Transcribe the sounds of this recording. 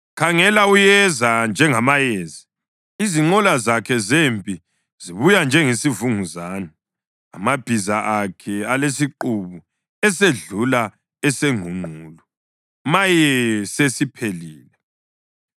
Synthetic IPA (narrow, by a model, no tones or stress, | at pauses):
kʰaŋɛlaujɛzand͡ʒʱɛŋamajɛːza | iziŋ͡ǃɔlazakʰɛzempʼi | ziβujand͡ʒʱɛŋesivuŋuzaːna̰ː | mab̥ʱizaʔakʰɛalesiǃuβu | ɛseɮula | ɛseŋʱuŋ͡ǃʱuːlu | majɛsesipʰeliːlɛ